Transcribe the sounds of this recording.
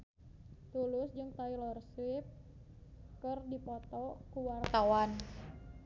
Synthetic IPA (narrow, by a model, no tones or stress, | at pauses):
t̪ulʊsd͡ʒɨŋt̪ailɔrswip̚ | kɨrdipɔt̪ɔkuwart̪awan